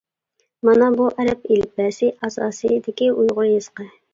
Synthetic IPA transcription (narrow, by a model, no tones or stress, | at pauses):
mɑnɑbuʔɛɾɛpelɪp̚æsɪʔɑsɑ̰ːsɨjd̪ɪkʲiujʁʊjɨz̥qɑ